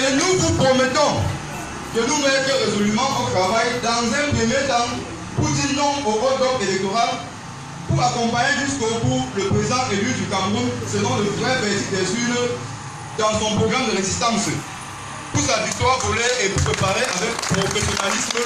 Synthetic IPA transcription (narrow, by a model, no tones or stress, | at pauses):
enuvupʁomet̪ɔ̃ | kənumɛtəʁezolymɑ̃ʔot̪ʁavajd̪ɑ̃zɛ̃pχəmjet̪ɑ̃ | put̪inɔ̃ŋoʁɔd̪ɔkelɛk̚t̪oʁal | puʁakɔ̃paɲeʒyskokuʁləpʁezizɑ̃ʔelydykãmʁunsəlɔ̃ləvʁɛvɛtid̪ɛzydə | d̪ɑ̃sɔ̃pʁoɡʁamd̪əʁezist̪ɑ̃s | pusavik̚t̪waʁvoleepʁepaʁeʔavɛk̚pʁofesjonalism